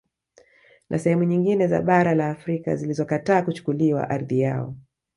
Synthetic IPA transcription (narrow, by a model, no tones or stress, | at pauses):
nʔa̰sɛhɛmuɲiŋɡinɛza̰ɓaɾalaːfɾika̰zilizɔkataːkut͡ʃu̥kuliwa̰ʔaɾðija̰ɔ̰